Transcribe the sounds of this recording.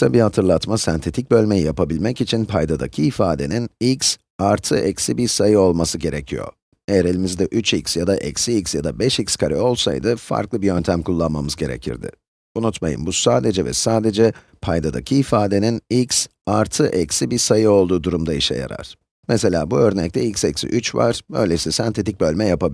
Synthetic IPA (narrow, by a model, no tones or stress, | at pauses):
sabihat̪ʰɯɾlˠat̪masɛnt̪ʰe̞t̪ʰic̚bø̞lʲmejijapʰabilʲmɛcit͡ʃʰinpʰajd̪ad̪a̰cʰiːfaːd̪e̞̰ninics | aɾt̪ʰɯʔɛcsibiɾsajɯo̞lˠmasɯɟe̞ɾecʰijo̞̰ | eɾelʲimizd̪ɛʔyt͡ʃicsjad̪aʔɛ̰csiicsjad̪abɛʃicskʰaɾḭo̞lˠsa̰jd̪ɯfa̰ɾklˠɯbijø̞nt̪ʰæmkʰulˠːanmamɯzɟe̞ɾḛcʰḭɾd̪ɪ̰ | unut̪majɯ̰mbusaːd̪e̞d͡ʒɛvɛ̰saːd̪e̞d͡ʒɛ | pʰajd̪ad̪a̰cʰiːfaːd̪e̞ninics | aɾt̪ʰɯʔɛcsibiɾsajɯo̞lˠd̪uːd̪uɾumd̪aiʃɛ̰ja̰ɾa̰ɾ̥ | mɛse̞lʲa̰ːbuø̞ɾnɛc̚t̪ʰɛicʲsɛcsḭʔyt͡ʃva̰ɾ̥bø̞̰jlʲesisant̪ʰe̞t̪ʰic̚bø̞lʲmɛjapab